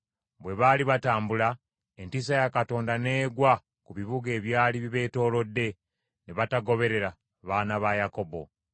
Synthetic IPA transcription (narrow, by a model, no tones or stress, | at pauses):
βwe̞βaːliβataːmbula | entis̬ajakato̞ːndane̞ːɡwa | kuβiβuɡe̞ːβjaːliβiβe̞ːto̞ːlo̞dːe̞ | neβataɡo̞βe̞ɾe̞ɾa | βaːnaβajako̞bo̞̰